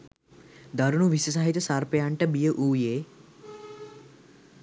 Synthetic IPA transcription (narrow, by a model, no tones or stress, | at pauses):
d̪aɾunuʋisəs̬aːɦit̪əsarpejaɳʈəbijəʔuːjeː